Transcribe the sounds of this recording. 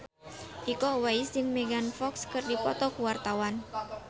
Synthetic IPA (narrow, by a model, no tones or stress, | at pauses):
ʔikɔwajsɪŋmeɡanfɔkskərdipɔt̪ɔkuwart̪awan